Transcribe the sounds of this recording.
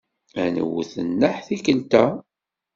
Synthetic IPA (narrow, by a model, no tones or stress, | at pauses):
ænə̰wθənːəħθikəlt̪æ